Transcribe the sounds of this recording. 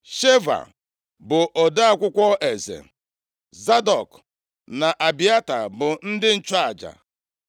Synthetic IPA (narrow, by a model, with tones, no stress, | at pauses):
ʃe˦va̰˨ | bʊ˨ʔo˨da˦a˦˨kʷʊ˦kʷɔ˦ʔe˨zḛ˨ | za˦dɔ˨k | na˨ʔa˨bi˨a˦ta̰˨bʊ˨n̩˦dɪ˦n̩˦t͡ʃa˨d͡ʒa̰˨